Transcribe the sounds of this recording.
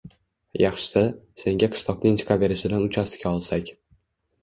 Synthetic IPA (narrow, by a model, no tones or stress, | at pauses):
jɑχʃɪ̥sase̞ŋɡʲaqʰɨ̥ʃt̪ˠɒqnɪŋt͡ʃ̪ʰɪ̥qʰabe̞ɾɪʃɪd̪anʊt͡ʃʰast̪ɪ̥kʲaɒlˠsakʲ